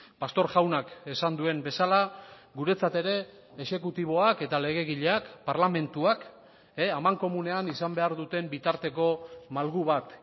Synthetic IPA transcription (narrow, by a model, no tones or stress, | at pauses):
past̪o̞ɾʝawnake̞sand̪ue̞mbe̞salaɡuɾe̞t͡sat̪e̞ɾe̞ː | ʃe̞kut̪iβ̞o̞ake̞t̪ale̞ɣ̞e̞ɣiʎe̞akpaɾlame̞nt̪uak | eamaŋko̞mune̞anisambe̞aɾðut̪e̞mbit̪aɾt̪e̞ko̞malɣuβ̞at̪